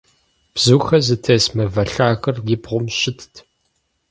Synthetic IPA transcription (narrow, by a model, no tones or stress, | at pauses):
b̥zuːxɐzɨtʰeːsmɐvɐɬaːxɐrjɪbʁʷʊmɕɪtʰtʰ